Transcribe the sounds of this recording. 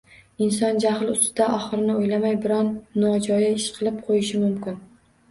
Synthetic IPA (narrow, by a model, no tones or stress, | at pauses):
ɪnsɒnd͡ʒahlˠʊst̪ɪd̪aʔɒχɨɾɪnɪojlamajbɪɾɒnːɒd͡ʒɒjaɪʃqʰɨlˠɪp̚qʰojɪʃɪmʊmkʲɪn